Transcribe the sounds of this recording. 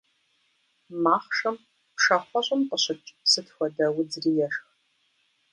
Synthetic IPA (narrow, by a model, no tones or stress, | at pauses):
maːχʂɐm | pʂɐχʷɔɕʷʼʊmqʼəɕɪt͡ʃʼsɨtxʷɐdɐwʊd͡zrijɛʂx